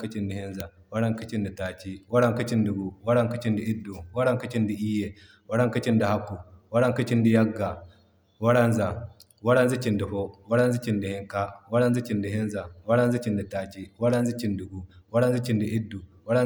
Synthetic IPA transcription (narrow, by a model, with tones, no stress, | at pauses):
kɐ˦t͡ʃi˦ndi˨hi˦nza˨ | wa˦ɽa˦ŋkɐ˦t͡ʃi˦ndi˨taː˨t͡ʃi˦wa˦ɽa˦ŋkɐ˦t͡ʃi˦ndu˨ɡu˨wa˦ɽa˦ŋkɐ˦t͡ʃi˦ndi˨ʔi˦dːu˨wa˦ɽa˦ŋka˦t͡ʃi˦ndi˨ʔi˦je˨ | wa˦ɽa˦ŋkɐ˦t͡ʃi˦ndi˨ha˦kːu˨wa˦ɽa˦ŋkɐ˦t͡ʃi˦ndi˨ja˦ɡːa˨ | wa˦ɽa˦nza˨ | wa˦ɽa˦nzi˦t͡ʃi˨ndi˨ɸo˦wa˦ɽa˦nzi˦t͡ʃi˨ndi˨hɪ˦ŋka˦wa˦ɽa˦nzi˦t͡ʃi˨ndi˨ɦɪ˦nza˨wa˦ɾa˦nzi˦t͡ʃi˨ndi˨taː˨t͡ʃi˦wa˦ɽa˦nzi˦t͡ʃi˦ndu˨ɡu˨wa˦ɽa˦nzi˦t͡ʃi˨ndi˨ʔi˦dːu˨ | wa˦ɽa˦